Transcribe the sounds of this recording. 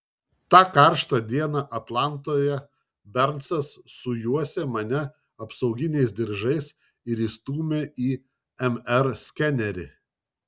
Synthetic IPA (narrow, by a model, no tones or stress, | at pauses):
t̪ɑːkɑˑɾʃt̪ɐd̪ʲiɛnɑʔɐt̪lˠɑˑnˑt̪oːjɛ | bʲɛɾnsɐsːʊjuɔsʲɛmɐnʲɛ | ɐpsɒʊɡʲɪnʲɛɪs̬d̪ʲɪɾʒɐɪs | ɪɾiːst̪uːmʲeiː | ɛmɛɾsʲkʲɛnʲɛɾʲɪ̰